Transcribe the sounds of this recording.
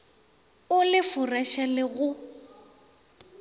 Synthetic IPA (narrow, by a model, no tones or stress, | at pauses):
ʊlɪfʊraʃalɪɣʊ